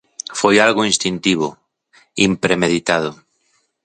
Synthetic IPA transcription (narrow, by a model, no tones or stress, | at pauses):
fojalɣoĩnst̪int̪iβ̞o̰ | impɾemeð̞it̪að̞o